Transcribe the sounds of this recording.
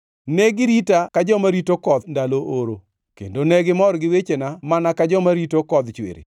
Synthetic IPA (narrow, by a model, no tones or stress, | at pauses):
nɛɡɪɾitakad͡ʒɔmaɾitokɔd̪ndaloʔoɾo | kḛndonɛɡɪmɔɾɡɪwet͡ʃenamanakad͡ʒɔmaɾitokɔd̪t͡ʃwḛɾḛ